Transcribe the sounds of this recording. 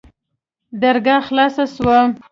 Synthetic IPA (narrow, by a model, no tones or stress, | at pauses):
d̪aɾɡaxlɑsaswa